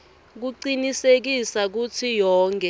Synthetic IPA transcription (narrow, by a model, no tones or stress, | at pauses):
k̬uǀinisek̬isak̬ut͡sʰijɔːŋkʰʼɛ